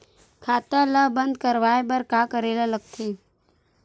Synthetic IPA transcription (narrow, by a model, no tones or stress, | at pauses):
kʰaːt̪aləbə̃nd̪̚kəɾʋaːebəɾkaːkəɾeːlaləɡ̚t̪ʰeː